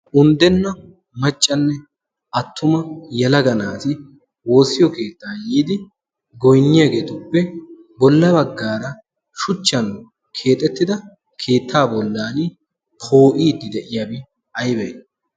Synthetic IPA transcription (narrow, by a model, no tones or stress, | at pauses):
ʔʊnd̪ɛnːɐ | mɐt͡ʃʼːɐnːɛ | ɐt̪ʰːʊmɐjɛlɐɡɐnaːt̪ɪ | wo̞ːsɪjɔke̞ːt̪ːaːjiːd̪ɪ | ɡɔjnːɪjɐɡe̞ːt̪ʊpːɛ | bɔlːɐbɐɡːaːɾɐ | ʃʊt͡ʃːɐn | kʰe̞ːt̪ʼːɛt̪ːɪd̪ɐ | kʰe̞ːt̪ʰːaːbɔlːaːnɪ | pʰo̞ːʔiːd̪ːɪd̪ɛʔɪjabɪ | ɐjbɛj